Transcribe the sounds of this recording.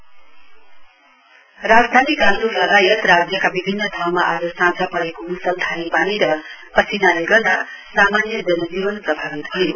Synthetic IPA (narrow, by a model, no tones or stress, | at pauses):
rad͡zd̪ʱanikanɾulʌɦajʌt̪rad͡zjʌkabibʱinːʌd̪ʱawmaʔad͡zʌsãd͡zʱapʌɾekomusʌlt̪ʰanipaniɾʌ | pʌsʰinaleɡʌrd̪a | samanjʌd͡zʌnd͡zibʌnprʌbʱaɡit̪hʌjo